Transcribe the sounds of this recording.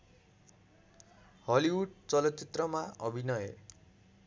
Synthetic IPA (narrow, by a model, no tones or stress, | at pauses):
hʌliwuʈ̚t͡sʌlʌt̪t͡sit̪rʌmaʌbʱinʌjḛ